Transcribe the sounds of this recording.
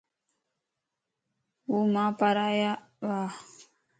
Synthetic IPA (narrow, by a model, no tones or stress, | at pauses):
wumapaɾaja | βa